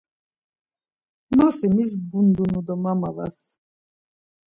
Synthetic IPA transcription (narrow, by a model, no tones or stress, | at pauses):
nɔsimizbund̪unud̪ɔmamava̰s